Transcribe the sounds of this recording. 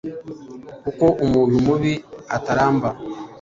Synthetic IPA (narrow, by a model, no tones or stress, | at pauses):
kukoʔumuːnumuβiataɾaːmba